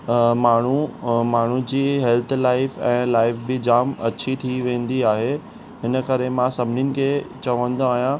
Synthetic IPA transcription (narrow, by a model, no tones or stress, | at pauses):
maːɳ̤umaːɳ̤ud͡ʑiːɦɛlt̪ʰlaːɪfɛ̃ːlaːɪfbɪd͡ʑaːmɐ̰t͡ɕʰit̪ʰiʋẽːn̆d̪iaːɦe | ɦɪnəkɐɾemãsɐbʱɪnɪnɪ̆kʰeːt͡ɕɐʋə̃nd̪oaːɦijã